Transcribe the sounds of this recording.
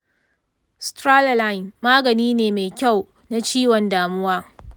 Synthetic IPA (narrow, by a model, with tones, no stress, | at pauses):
stɾa˦lla˦˨jnmaː˦ɡɐ˨niː˦neː˨me˨jkʲa˦˨w | na˦t͡ʃiː˦wɔ˨ndaː˨mʊ˦waː˦